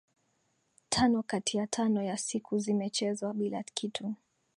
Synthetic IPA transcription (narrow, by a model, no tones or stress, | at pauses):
tʰanɔkatijatʰanɔjasikʰuzimɛt͡ʃɛzwaɓila̰kʰitʰu